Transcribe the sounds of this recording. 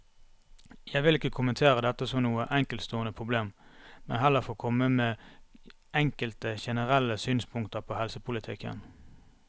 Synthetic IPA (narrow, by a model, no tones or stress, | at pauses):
jæɪʋɪlɪkːəkʰʊmənt̪ʰeːʁəd̪ɛt̪ːəsɔmnuːəʔɛŋkəlt̪st̪oːənəpʰʁʊbleːmmɛ̰nɦɛlːəfoːkʰɔməmeː | ɛŋkəlt̪əçɛnəʁɛlːəsyːnspʰʊŋkt̪əʁpʰoːhɛlsəpʰʊlɪt̪ʰɪ̰kə̰n